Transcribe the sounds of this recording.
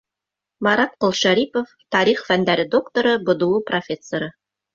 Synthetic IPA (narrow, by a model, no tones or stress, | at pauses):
mɑɾɑt̪̚qolˠʃæɾipoft̪ɑɾiχfænd̪æɾɘd̪o̞kt̪oɾɤbŏd̪ŭwɤprofʲe̞sːoɾɤ